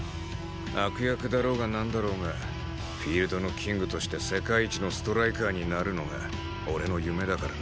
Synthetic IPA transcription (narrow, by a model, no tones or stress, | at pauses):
akɯ̟jakɯ̟d̪aɾo̞ːɡanãnd̪aɾo̞ːŋa | ɸʲiːɾɯ̟d̪o̞no̞kʲʰĩŋɡɯ̟t̪o̞ɕi̥t̪e̞se̞kaiːt͡ɕino̞sɨ̥t̪o̞ɾaikaːɲ̟inaɾɯ̟no̞ɡa̰ | o̞ɾe̞no̞jɯ̟me̞d̪akaɾa